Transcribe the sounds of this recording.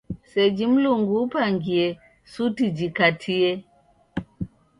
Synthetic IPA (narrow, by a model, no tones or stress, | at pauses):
sɛd͡ʒim̩luŋɡupaŋɡiɛ | sutid͡ʒikatʰiɛ